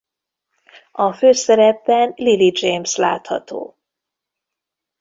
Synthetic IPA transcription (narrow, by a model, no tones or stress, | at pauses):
ɒføːsɛɾɛpːɛnlilid͡ʒejmsla̰ːt̪hɒ̰t̪o̰ː